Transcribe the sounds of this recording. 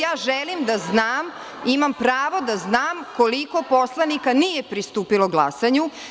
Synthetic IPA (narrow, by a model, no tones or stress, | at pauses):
jaːʒɛlimd̪aznaːm | imampɾaːʋod̪aznaːmkoliko̞po̞slˠanikanijepɾist̪uːpiloɡlˠa̰saɲu